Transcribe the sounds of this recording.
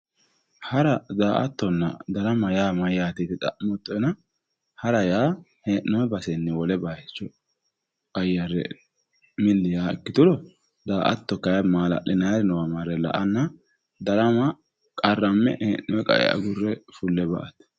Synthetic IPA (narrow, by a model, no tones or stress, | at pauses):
hɐɾɐd̪aːʔɐt̪ːɔnːɐ̰d̪ɐɾɐmɐjaːmɐjaːt̪it̪ɪt̪ʼɐ̰ʔmɔt̪ːɔjnɐ | hɐɾɐjaː | heːnːɔwɛbɐsɛnːɛwɔlɛbaɛt͡ʃːɔ | ɐjɐɾːɛ̰ | mɪlːɪjaːɛkːɪt̪ʊlɔ | d̪aːʔɐ̰t̪ːɔkɐjmaːlɐ̰ʔɪnajɾɪnɔwɐmaɾɛlɐ̰ʔɐnːɐ | d̪ɐɾɐmɐ | kʼɐrːɐmːɛ̰ʔeːnːɔwɛkʼɐ̰ʔɛ̰ɐ̰ɡʊrːɛfʊlːɛbɐ̰ʔɐt̪